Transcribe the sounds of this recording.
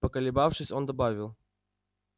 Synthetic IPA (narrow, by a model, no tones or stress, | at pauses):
pəkəlʲɪbafʂɨsʲond̪ɐbavʲɪlˠ